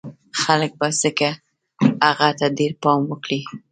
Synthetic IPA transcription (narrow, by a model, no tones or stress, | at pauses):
xalək̚baz̥əka | aɣat̪aɖeɾpɑmwəkɽi